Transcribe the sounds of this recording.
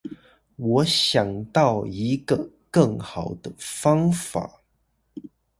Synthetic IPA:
wɔ˨˧˥ɕjɑ˨˩ŋt̪ɑ˥˨ʊi˧˥ɡə˧ | kɤ˥˩ŋxɑ˨˩ʊd̪ə˦fɑ˥ŋfa̰˨˩˦

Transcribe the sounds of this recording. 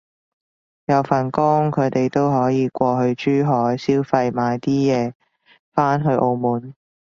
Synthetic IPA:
jɐ˨˧wfɐ˨˩nkʊ˥ŋkʰɵ˨˧ɥt̪e˨jt̪o˥wɦɔː˨˥jiː˨˧kʷɔː˧hɵ˧ɥt͡ʃyː˥ɦɔː˨˥jsiː˥wfɐ˧jmaː˨˧jt̪iː˥jɛː˨˧ | faː˥nɦɵ˧ʔo˧wmuː˨˥n

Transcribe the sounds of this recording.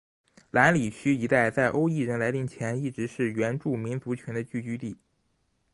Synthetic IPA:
la˧˥nli˨˩t͡ɕʰy˥i˧˥t̪a˥˧ɪt͡sa˥˩ɪʔo˥ʊi˥˧ɻə˥˩nla˧˥ɪt̪i˧˥˩ŋt͡ɕʰjɛ˧˥ni˥˩ʈ͡ʂɻ̩˧˥ʂɻ̩˥˩ɥɛ˧˥nʈ͡ʂu˥˩mi˧˥nt͡su˧˥t͡ɕʰɥɛ˧˥nd̪ə˧t͡ɕy˥˩t͡ɕy˥t̪i˥˩

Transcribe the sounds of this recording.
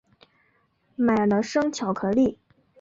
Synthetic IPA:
ma˨˩ɪlə˦ʂɤ˥ŋt͡ɕʰjɑ˨˩ʊkʰɤ˧˥li˥˩

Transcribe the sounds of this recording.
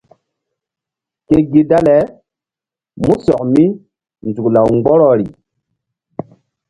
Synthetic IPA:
ke˨ɡi˦da˦lɛ˨˦ | mũ˦sɔ˨k̚mi˦ | nzu˨kla˨wŋɡ͡bɔ˦ɾɔ˦˨ɾi˨

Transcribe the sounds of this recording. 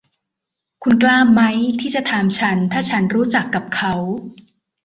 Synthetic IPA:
kʰu˧nklaː˥˩mːa˦˥jt̪ʰiː˥˩t͡ɕa˨˩t̪ʰaː˧mt͡ɕʰa˦˥nt̪ʰaː˥˩t͡ɕʰa˦˥nɾuː˦˥t͡ɕa˨˩kːa˨˩p̚kʰa˦˥w

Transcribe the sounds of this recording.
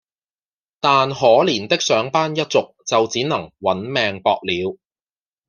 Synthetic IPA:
t̪aː˨nɦɔː˨˥liː˨˩nt̪ɪ˥k̚sœː˨˥ŋpaː˥njɐ˥t̚t͡sʊ˨k̚t͡sɐ˨wt͡siː˨˥nɐ˨˩ŋwɐ˨˥nmɛː˨˧ŋpɔː˨˧k̚liː˨˧w

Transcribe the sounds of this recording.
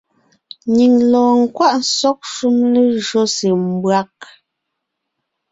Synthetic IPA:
ɲi˨ŋlɔː˨ŋ̩˨kwa˦ʔn˦sɔ˦k̚ʃu˦mle˦ʒɔ˦se˨m̩˦bwa˦k̚

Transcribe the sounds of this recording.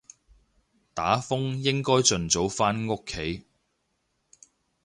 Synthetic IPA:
t̪aː˨˥fʊ˥ŋjɪ˥ŋkɔː˥jt͡sɵ˨nt͡so˨˧˥wfaː˥nŋʊ˥kʰːe˨˥j

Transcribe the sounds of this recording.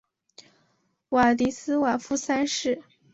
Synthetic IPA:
wa˨˩t̪i˧˥sɹ̩˥wa˨˩fu˥˩sa˥nʂɻ̩˥˩

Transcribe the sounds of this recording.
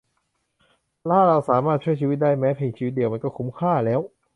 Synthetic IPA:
laː˥˩ɾa˧wsaː˩˦maː˥˩t̪̚t͡ɕʰu˥˩ət͡ɕʰi˧˦˥d̪aː˥˩jmɛː˦˥pʰeː˧ŋt͡ɕʰiː˧˦t̪̚di˧əwma˧nkɔː˥˩kʰu˦˥mkʰaː˥˩lɛː˦˥w

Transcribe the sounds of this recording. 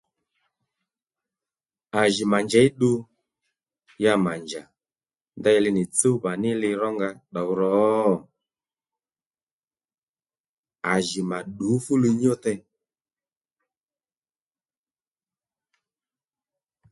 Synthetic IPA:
a˨ʒɪ˨ma˨nd͡ʒɛ˨˦i˦ɗu˦ | ja˧ma˨nd͡ʒa˨ | nda˦jɛ˧lɪ˧nɪ˨t͡so˦ba˨nɪ˦lɪ˧ɾɔ˦ŋɡa˧ɗɔ˨wɾɔ˨˦˨ | a˨ʒɪ˨ma˨ɗu˨˦fu˦li˧ɲ˦ɔ˦tɛ˧

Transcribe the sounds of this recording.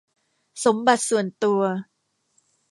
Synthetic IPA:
so˩˦mba˨˩t̪̚su˨˩ənt̪u˧ɐ

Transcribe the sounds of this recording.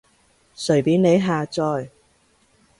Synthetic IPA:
sɵ˨˩ɥpiː˨˥nne˨˧jɦaː˨˧t͡sɔː˧j

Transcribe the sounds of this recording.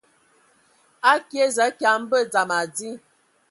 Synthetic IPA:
a˦kje˦zə˨˦kja˨m̩˦bə˦˨d͡za˨ma˨d͡zi˦

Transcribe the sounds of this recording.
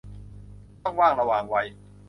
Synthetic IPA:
ɔ˥˩ŋwaː˥˩ŋɾa˧waː˨˩ŋwa˧j

